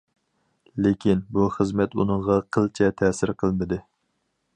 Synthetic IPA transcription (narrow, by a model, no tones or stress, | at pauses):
lekʲʰinbuχəzmɛt̪ṵnəɴʁɑqʰəlˠt͡ʃʰɛt̪ʰɛːsɪɾqʰəlˠnɨd̪ɨ